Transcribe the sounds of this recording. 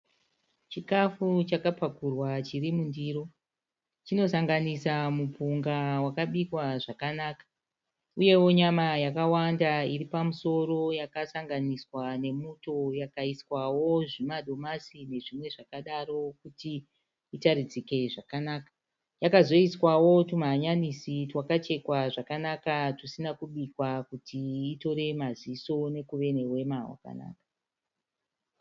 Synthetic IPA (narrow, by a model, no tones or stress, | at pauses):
t͡ʃikafut͡ʃakapakurwat͡ʃirimundiːɾo̞ | t͡ʃino̞saŋɡanisamupuŋɡawakaɓikwaʐakanaːkḁ | uje̞wo̞ɲamajakawandairipamuso̞ɾo̞jakasaŋɡaniswane̞muto̞jakaiswawo̞ʐimaɗo̞masine̞ʐimwe̞ʐakaɗaro̞kuti | itaɾid͡zike̞ʐakanaːka | jakazo̞iswawo̞tumaɦːɲanisitwakat͡ʃe̞kwaʐakanakatusinakuɓikwakutʰiːto̞ɾe̞maziso̞ne̞kuʋe̞ne̞we̞mawa̰ka̰na̰ːkḁ